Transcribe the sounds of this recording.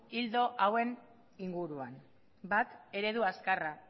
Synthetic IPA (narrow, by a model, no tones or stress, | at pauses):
ild̪o̞ʔawe̞n | iŋɡuɾuan | bat̪e̞ɾe̞ðuaskara